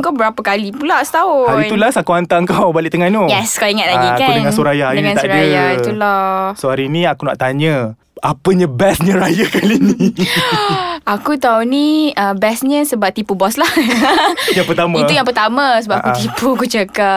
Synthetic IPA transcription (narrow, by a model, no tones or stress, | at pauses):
ŋkawbəɾapəkalipulast̪aoait̪ulasakuant̪aəŋkawbalɪʔt̪əŋannojɛskaiŋat̪̚laɡikakdənŋãnsoɾajadəŋãnt̪asɾijait̪ulɔsoaɾinĩakuna̰ʔt̪aɲə̃ | apəɲãbɛsɲə̃ɾajakalini | akut̪auniəbɛsɲə̃səbap̚t̪ipubɔslah | jaŋpərt̪amait̪ujaŋpət̪amə̃səbapakkut̪ipukut͡ʃəkap̚